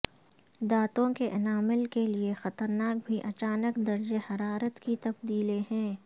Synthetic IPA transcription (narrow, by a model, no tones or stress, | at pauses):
d̪aːt̪õkeʔɐnaːmɪlkeliexɐt̪əɾnaːk̚bʱiʔɐt͡ʃaːnəkd̪ɐɾd͡ʒehɐɾaːɾət̪kit̪ɐbd̪iːleɦɛ̃ː